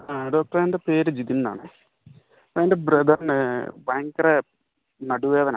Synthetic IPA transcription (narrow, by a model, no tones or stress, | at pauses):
aɖo̞ːk̚ʈɐrandepe̞ːɾɨd͡ʑid̪inna̰ːɳɨ | eːndebɾɐd̪ɐrnɨbaːŋkɐre | nɐɽuʋe̞ːðɐna̰ː